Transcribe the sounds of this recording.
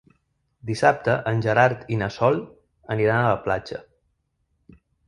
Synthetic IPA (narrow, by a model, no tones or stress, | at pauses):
d̪isap̚t̪əʔənʲʒəɾaɾt̪inəsɔlˠ | əniɾanələplad͡ʒə̰